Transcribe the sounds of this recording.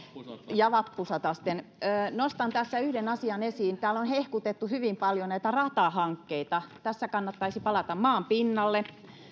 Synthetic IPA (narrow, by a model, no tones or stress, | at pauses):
jɑʋɑpːusɑt̪ɑst̪enːnost̪ɑnt̪æsːæyhdenɑsiɑnesiːnt̪æːlonhehkut̪et̪ːuhyʋimpɑljonæit̪ærɑt̪ɑhɑŋkːeit̪ɑt̪æsːækɑnːɑt̪ːɑisipɑlɑt̪ɑmmɑːmpinːɑlːe